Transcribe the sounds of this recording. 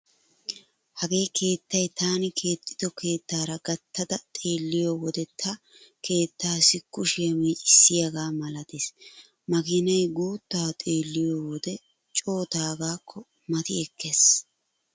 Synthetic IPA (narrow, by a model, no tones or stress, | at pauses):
hɐɡe̞ːkʰe̞ːt̪ːɐjt̪aːnɪkʰe̞ːt̪ʰʼːɪ̥d̪ɔkʰe̞ːt̪ːaːɾɐɡɐt̪ːɐd̪ɐt̪ʼe̞ːlːɪjoːwɔd̪ɛt̪ʰːɐ | kʰe̞ːt̪ːaːsɪkːʊʃemeːt͡ʃʼɪsːɪjɐɡaːmɐlɐt̪eːs | mɐɡɪnɐjɡuːt̪ːaːt̪ʼe̞ːlːɪjoːwɔd̪ɛ | t͡ʃʼo̞ːt̪aːɡaːkʰːɔ | mɐt̪ɪɛkʰːes